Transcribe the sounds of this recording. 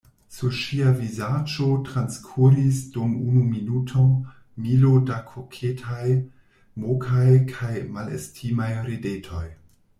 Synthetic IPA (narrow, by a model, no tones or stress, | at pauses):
suʃiavizad͡ʒotɾanskʰuɾisdumṵnuminutʰo | milodakʰokʰetʰaj | mokʰajkʰajmalḛstʰimajɾedetʰo̞j